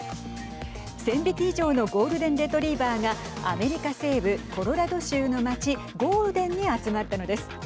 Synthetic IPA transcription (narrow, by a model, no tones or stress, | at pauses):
sẽ̞mbʲik̪ʲiːʑo̞ːno̞ɡo̞ːɾɯ̟d̪ẽnd̪e̞t̪o̞ɾʲiːbaːŋa | a̰me̞ɾʲikase̞ːbɯ̟kʰo̞ɾo̞ɾad̪o̞ɕɨːno̞mat͡ɕi | ɡo̞ːɾɯ̟d̪ẽ̞ɲ̟ːiat͡sɨmat̪ːano̞d̪e̞sɨ̥